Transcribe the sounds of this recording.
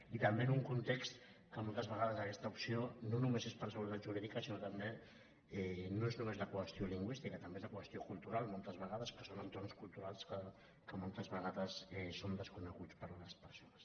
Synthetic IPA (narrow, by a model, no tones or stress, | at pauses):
it̪əmbenuŋkunt̪ekst̪ | kəmolˠt̪əzβəɣaðəzəkɛst̪əupsiononumezespəɾsəɣult̪aʒuɾiðikəsinot̪əmbe | ɛnoeznumezðəkwəst̪ioliŋɡwist̪ikət̪əmbezðəkwəst̪iokulˠt̪uɾalˠmolˠt̪əzβəɣaðəspɾəsonənt̪ornskulˠt̪uɾalˠskə | kəmolˠt̪əzβəɣ̞aðəsɛsond̪əskunəɣut͡spəɾləspəɾsonəs